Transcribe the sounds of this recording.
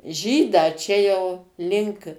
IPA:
ˈʒʲiːdɑː ˈt͡ʃʲɛ jɛʊ ˈlʲɪŋk

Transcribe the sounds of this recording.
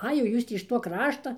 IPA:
ˈɐɪ jɛʊ ˈjuːs tʲiː ɪʃ ˈtuɔ ˈkrɑːʃtɐ

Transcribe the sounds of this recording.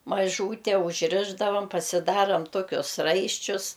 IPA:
mɐˈʒuːtʲɛ ʊʒʲˈrʲɪʒdɐʋɐm pɐsʲɪˈdɑːrɐm ˈtoːkʲʊs ˈrɐɪʃʲt͡ʃʲʊs

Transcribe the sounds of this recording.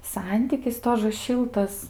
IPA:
ˈsɐnʲtʲiːkʲɪs ˈtoːʒə ˈʃʲɪlˠtɐs

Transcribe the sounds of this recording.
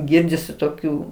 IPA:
ˈɡʲɪrʲdʲɪsʲɪ toːˈkʲuː

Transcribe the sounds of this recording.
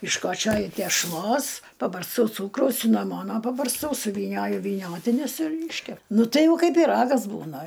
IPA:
ɪʃkoːˈt͡ʃʲoːjʊ tʲɛʃˈlˠoːs pɐbɐrsˈtɐʊ ˈt͡suːkrɐʊs sʲɪnɐˈmoːnoː pɐbɐrsˈtɐʊ sʊʋʲiːˈnʲoːjʊ ʋʲiːˈnʲoːtʲɪnʲʊs ɪr ˈiːʃʲkʲɛp ˈnʊ tɐɪ ˈjɛʊ ˈkɐɪp pʲiːˈrɑːɡɐs ˈbuːnɐ

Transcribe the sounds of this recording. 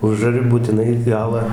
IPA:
ˈʊʒɐrʲɪ buːtʲɪˈnɐɪ ˈɡɑːlˠɑː

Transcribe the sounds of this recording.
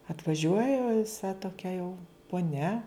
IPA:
ɐtʋɐˈʒʲuɔjɛ ʋʲɪˈsɐ toːˈkʲɛ jɛʊ poːˈnʲɛ

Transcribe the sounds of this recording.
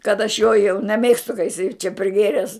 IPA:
kɐt ɐʃ joː jɛʊ nʲɛˈmʲeːkstʊ kɐ jɪˈsɐɪ t͡ʃʲɛ pʲrʲɪˈɡʲeːrʲɛs

